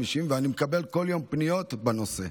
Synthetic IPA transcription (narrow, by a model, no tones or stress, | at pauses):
miʃimveanimekabe̞lko̞ljo̞mpnijo̞t̪bano̞se̞̰